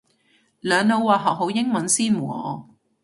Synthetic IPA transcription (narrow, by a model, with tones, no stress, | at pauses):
lœː˨˧ŋno˨˧wwaː˨˩ɦɐ˨˩w̚ɦo˨˥wjɪ˥ŋmɐ˨˥nsiː˥nmu˨˩ɔ̰ː˨˧